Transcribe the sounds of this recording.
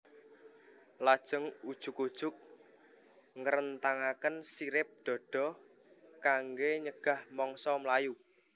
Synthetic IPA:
lad̥ʒ̥ə̤ŋud̥ʒ̥ʊ̤kud̥ʒ̥ʊ̤k̚ | ŋəɾənt̪aŋakənsiɾɪp̚ɖ̪̥ɔ̤ɖ̥ɔ̤ | kaŋɡeɲəɡ̥a̤hmɔŋsɔmlaju

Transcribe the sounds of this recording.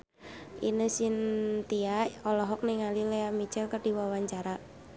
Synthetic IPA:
ʔḭnəsint̪iaɔlɔɦɔk̚niŋalileamit͡ʃɛlkərdiwawaɲt͡ʃaɾa

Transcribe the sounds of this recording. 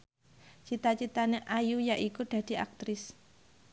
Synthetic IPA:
t͡ʃit̪at͡ʃit̪aneʔajujaʔikuɖ̪̥ä̤d̪̥i̤a̰k̚t̪ɾɪs

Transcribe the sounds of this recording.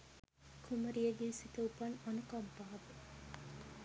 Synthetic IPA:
kʰumɐɾijɐɡensit̪ɐupɐnɐnukɐmpaːbe

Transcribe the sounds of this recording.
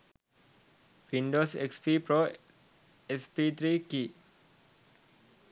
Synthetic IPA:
ʋiɳɖoːsekspiːpɾoː | espiːt̪ɾiːkiː

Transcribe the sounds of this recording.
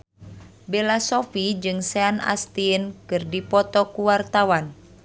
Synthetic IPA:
belasɔfid͡ʒɨŋsɛana̰st̪inkɨrdipɔt̪ɔkuwart̪awan

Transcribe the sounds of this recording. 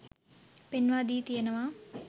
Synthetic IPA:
penʋaːd̪iːt̪ijɐnɐʋaː

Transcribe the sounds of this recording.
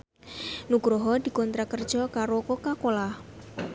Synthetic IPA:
nuɡ̥ɾoɦɔd̪̥i̤kɔnt̪ɾakərd̥ʒ̥ɔkaɾokɔkakolah

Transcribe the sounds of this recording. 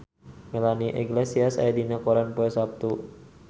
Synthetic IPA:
mɛlaniʔɛɡlɛsiasa̰jadinakoɾanpoɛsap̚t̪u

